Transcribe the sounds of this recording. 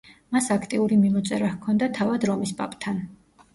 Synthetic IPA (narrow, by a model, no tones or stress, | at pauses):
masakʰt̪ʼiuɾimimɔt̪sʼɛɾahkʰɔnd̪at̪ʰavad̪ɾɔmispʼa̰pʼt̪ʰan